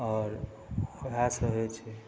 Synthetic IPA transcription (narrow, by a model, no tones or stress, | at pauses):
ɔːɾ | əbʱasəɦet͡ʃʰɛ